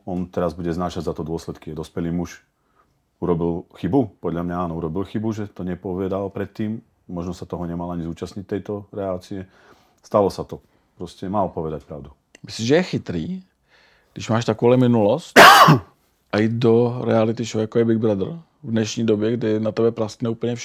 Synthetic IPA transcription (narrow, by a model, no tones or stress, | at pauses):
ɔnt̪ɛɾazbuɟɛznaːʃaɟzat̪ɔd̪ʊɔslɛt̪kijɛd̪ɔspɛliːmuʃ | uɾɔbilxibupɔd̪ʎamɲaaːnɔuɾɔbilxibuʒɛt̪ɔɲɛpɔʋɛd̪alpɾɛt̪ːiːmː | ɔʒnɔsat̪ɔɦɔɲɛmalaɲizuːt͡ʃasɲic̚t̪ɛjt̪ɔɾɛat͡siɛ | st̪alɔsat̪ɔ | pɾɔscɛmalpɔʋɛd̪ac̚pɾaʊd̪u | mɪsliːmʒɛjɛxɪt̪ɾiː | ɡdɪʃmaːʃt̪akolɛmɪnulɔst̪ | ʔajiːd̪doɾɛalɪt̪ɪt͡ʃɔjakojɛbɪɡbɾad̪r̩ | vdnɛʃɲiːdobjɛɡdɪnat̪ɛbɛpɾast̪nɛːuːpl̩ɲɛfʃ